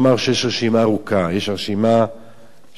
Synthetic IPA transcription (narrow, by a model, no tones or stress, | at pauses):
maʁʃejeʃʁeʃimaːʁukajeʃʁeʃima